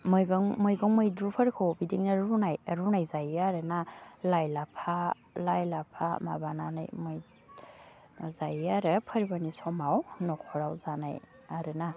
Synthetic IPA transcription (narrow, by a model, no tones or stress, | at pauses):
mɔjɡɔŋmɔjɡɔŋmɔjdɾupʰaɾkʰɔwbidiŋnaɾunajaɾunajzajaɾɯnalajlapʰa | lajlapʰama̰banana̰jmɔj | zajaɾɯpʰəɾibanisɔmawnɔkʰɔɾawzana̰j | aɾɯna